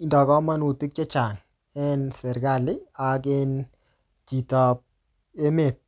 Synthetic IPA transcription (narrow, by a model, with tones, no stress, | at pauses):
i˨ndɔ˨kɔ˦ma˦nu˨ti˦k̚t͡ʃɛ˦t͡ʃa˨ŋ | ɛ˦nsɛ˨ɾɡa˨lɪ˦a˨k̬en | ki˨tɔ˨p̚ | e˦me˨t̚